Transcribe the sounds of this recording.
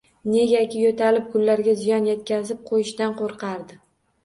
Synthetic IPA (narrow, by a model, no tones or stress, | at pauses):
ne̞ɡʲakʲɪjot̪ʰalɪp̚kʰʊlːaɾɡʲazɪjɒnjet̪̚kʲazɪp̚qʰojɪʃt̪anqoɾqʰɑɾd̪ɪ